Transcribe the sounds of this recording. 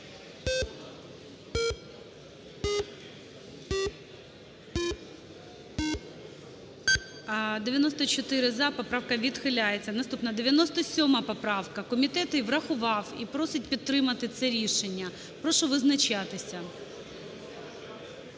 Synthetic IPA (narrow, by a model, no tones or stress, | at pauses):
d̪eʋʲjɐnɔst̪ɔt͡ʃɔt̪ɪɾɪzɐpɔpɾɑwkɐʋʲid̪xɪlʲajet͡sʲːɐnɐst̪upnɐd̪eʋʲjɐnɔst̪ɔsʲɔmɐpɔpɾɑwkɐkɔmʲit̪ɛt̪ɪʋɾɐxʊʋɑwipɾɔsɪt̚ʲpʲit̪ːɾɪmɐt̪ɪt̪sɛɾʲiʃenʲːɐ | pɾɔʃɔʋɪznɐt͡ʃat̪ɪsʲɐ